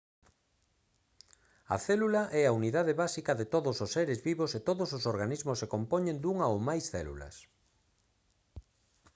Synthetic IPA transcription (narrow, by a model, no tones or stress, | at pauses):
ɐ̰θɛlulaʔɛauniðaðeβasikɐðet̪oðososeɾezβiβoset̪oðososoɾɣanizmosekompɔɲẽnd̪uŋɐowmajsθɛlṵlɐ̰s